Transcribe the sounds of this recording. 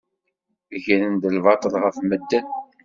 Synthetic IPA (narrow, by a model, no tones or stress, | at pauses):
ʝəɾənd̪əlvɑt̪ˤəlʁəfməd̪ːən